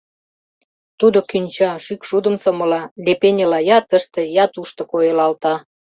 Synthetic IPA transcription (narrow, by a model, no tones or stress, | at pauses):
t̪ud̪okynʲt͡ɕɑʃykʃud̪ə̆msɤ̆mɤ̆lɑlʲepenʲə̆lɑjɑt̪ə̆ʃt̪ejɑt̪uʃt̪ŏkojelɑlt̪ɑ